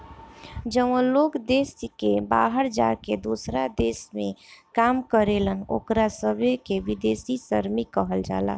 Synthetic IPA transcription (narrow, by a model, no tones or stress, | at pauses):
d͡ʒəʋə̃lokd̪eskebaɦəɾd͡ʒa̰ɾked̪osɾad̪esmekamkəɾeləno̰kɾasəbʱekeʋid̪esisəɾmikəɦəld͡ʒa̰la̰